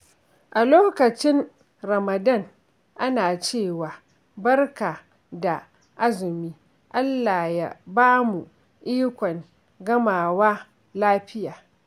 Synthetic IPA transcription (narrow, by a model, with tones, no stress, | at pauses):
ʔa˨loː˦kɐ˨t͡ʃɪ˦n | ɾɐ˨mɐ˨dɐ˦˨ŋ | ʔa˦naː˨t͡ʃeː˦˨waː˨ | bɐ˦rka˨ | da˨ | ʔa˦zɪ˨miː˦ | ʔa˦lːa˨ja̰˨baː˦mu˨ | ʔiː˦kʷɔ˨ŋ | ɡɐ˦maː˨waː˦ | laː˦ɸɪ˦jaː˨